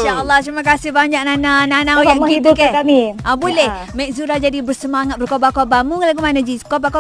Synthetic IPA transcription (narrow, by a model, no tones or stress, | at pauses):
ʃaəlˠːaht̪ɾimak̬asɪhbaɲak̚nanãnanãoaəit̪ukakamiabolɛh | mɛk̚zuɾad͡ʒadibərsəmaŋat̪̚bərkobakobamuŋlaɡumanəd͡ʒikobako